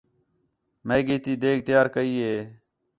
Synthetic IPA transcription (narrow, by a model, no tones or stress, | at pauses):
meːɡiːt̪iːd̪eːɡ̚t̪ɪjaːɾkəiːɦeː